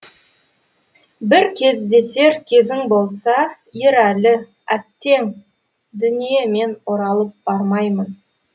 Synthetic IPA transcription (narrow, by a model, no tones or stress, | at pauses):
bɪɾkʲʰe̞zd̪e̞se̞ɾkʲʰe̞zɪŋbo̞lˠsɑ | jeɾælɪ | æt̪ːe̞ŋ | d̪ʏnijeme̞no̞ɾɑlˠəp̚b̥ɑɾmɑjmən